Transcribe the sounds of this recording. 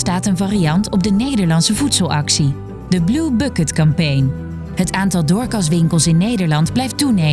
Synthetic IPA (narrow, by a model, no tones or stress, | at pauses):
staːtənvaːriɑntɔb̚dənejdəɹlɑnsəvutsəlˠɑksi | dəblubʊkətkɑmpejn | ɦətaːntɑlˠdʊːɹkɑs̬ʋɪŋkəlˠsɪnːejdəɹlɑndblɛjftune